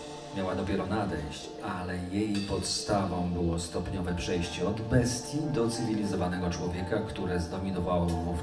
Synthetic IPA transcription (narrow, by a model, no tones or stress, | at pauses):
mʲjawad̪ɔpʲjɛɾɔnad̪ɛjɕt͡ɕ | alɛjejpɔt̪st̪avɔ̃w̃bɘwɔst̪ɔpɲɔvɛpʂɛjɕt͡ɕɛɔd̪bɛst̪ʲjid̪ɔt̪sɘvʲilʲizɔvanɛɡɔt͡ʂwɔvʲjɛkakt̪uɾɛzd̪ɔmʲinɔvawɔmuf